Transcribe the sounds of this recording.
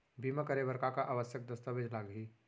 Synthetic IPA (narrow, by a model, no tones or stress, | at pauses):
bʱiməkəɾebəɾkakaʔaʋəsjək̚d̪əst̪aʋed͡ʒlaːɡɦiː